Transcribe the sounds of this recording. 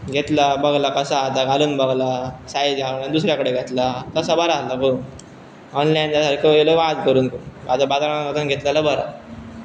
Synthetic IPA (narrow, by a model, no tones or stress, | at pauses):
ɡʱet̪labəɡlakəsaːt̪aɡʱaluːnbəɡlasajd͡zɡanand̪us̬ɾjakəɽeɡʱet̪lat̪əsabəɾaːlako | ɔnlajnd̪asaɾkəeləʋad̪kəɾuːnkubad̪abad̪aɾaaət̪ənɡʱet̪lalabəɾa̰